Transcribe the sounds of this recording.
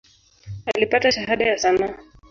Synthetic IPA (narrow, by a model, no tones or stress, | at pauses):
alipataʃaɦaɗajasanaː